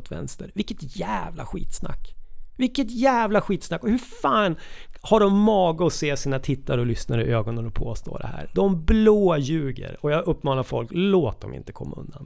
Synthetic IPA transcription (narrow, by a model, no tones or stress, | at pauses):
t̪vɛ̰nst̪əɾvɪkːət̪jæːvla̰ɧḭːt̪sna̰kːvɪkːət̪jæːvlaɧiːt̪snakːɔhɵɾfaːnhaɖɔmːɑːɡəɔseːsiːnat̪ʰɪt̪ːaɾɔlʏsnaɾɪʔøːɡɔnənɔpʰoːst̪o̰ːɖ̪ɛ̰hæ̰ːɾd̪ɔmbloːjʉ̟ːɡə̰ɾɔjaːʔɵpːmɑːnaɾfɔ̰lkloːt̪̚d̪ɔmɪ̰nt̪ə̥kʰɔmːaɵ̰nd̪a̰n